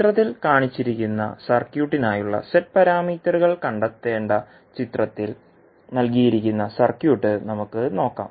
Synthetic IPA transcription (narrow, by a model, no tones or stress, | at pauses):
it̪rɐt̪ːilkaːɳit͡ɕːiɾikʲːunːɐ̰sɐrkjuːʈːinaːjuɭːɐ̰seʈ̚pɐɾaːmiːt̪ːɐɾuɣɐɭkɐɳɖɐt̪ːe̞ːɳɖɐ | t͡ɕit̪rɐt̪ːil | nɐlkijiɾikʲːunːɐsɐrkjuːʈːɨnɐmukːɨno̞ːkːa̰ːm